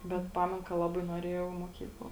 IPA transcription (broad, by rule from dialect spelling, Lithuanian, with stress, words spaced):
bʲɛt ˈpɑːmʲɛn kɐ ˈlˠɑːbɐɪ nuɔˈrʲeːjɛʊ ɪ moːˈkʲiːklˠɐ